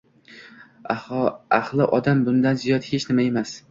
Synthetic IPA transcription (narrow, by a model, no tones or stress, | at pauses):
ahɒahlˠɪʔɒd̪ambʊnd̪anzijɒt̪he̞t͡ʃnɪmae̞mas